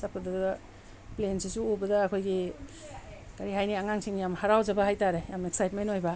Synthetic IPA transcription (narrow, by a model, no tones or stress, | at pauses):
sapʰːadad | plensisuobɐdɐːkʰojɡi | kaɾiɦajniaŋaŋsiŋjamhaɾawzɐbahajtaɾejameksajt̚menojbɐ